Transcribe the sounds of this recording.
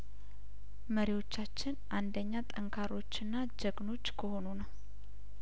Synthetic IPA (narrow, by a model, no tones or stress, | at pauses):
məɾiwo̞t͡ʃːat͡ʃːɪnʔand̪əɲːat̪ʼəŋkʰaɾo̞t͡ʃːɨnːad͡ʒəɡno̞t͡ʃːkʰəho̞nunəw